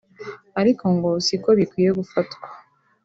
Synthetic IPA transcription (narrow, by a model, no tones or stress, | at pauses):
aɾikʰo̞ŋɡo̞siko̞βikwiːje̞ɡufatkwḁ